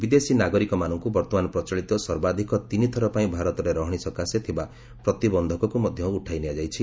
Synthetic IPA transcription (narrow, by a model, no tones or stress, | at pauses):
bid̪esinaɡɔɾikɔmanɔŋkubɔɾt̪ɔmanɔpɾɔt͡ʃɔɭit̪ɔsɔɾbad̪ʱikɔt̪init̪ʰɔɾɔpaĩbʱaɾɔt̪ɔɾeɾɔɦɔɽ̃isɔkaset̪ʰiba | pɾɔt̪ibɔnd̪ʱɔkɔkumɔd̪ʱjɔuʈʰajnejad͡ʒajt͡ʃʰi